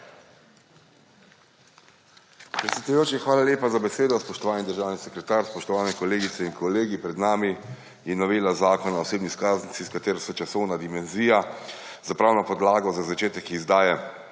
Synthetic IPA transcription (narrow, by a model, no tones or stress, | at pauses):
pɾɛt̪sʲjɛd̪ujoːt͡ʃixʋaːlalʲjeːpazabɛseːd̪ɔspɔʃt̪ɔʋaːlnid̪əɾʒaːwnisɛkɾɛt̪aːɾspɔʃt̪ɔʋaːlnɛkɔleːɡit̪sɛinkʰɔleːɡipɾɛd̪naːmi | jɛnɔʋeːlazaːkɔnaɔseːbniskaːznisiskat̪eːɾɔsɛt͡ʃasɔwnad̪imɛnziːja | zapɾaːwnɔpɔd̪laːɡɔzazat͡ʃeːt̪ɛkizd̪aːjɛ